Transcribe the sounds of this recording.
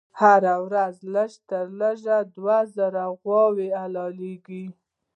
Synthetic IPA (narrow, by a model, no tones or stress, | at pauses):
haɾawɾazləʃt̪əɾləʒad̪wazəɾaɣwɑwealɑleɡi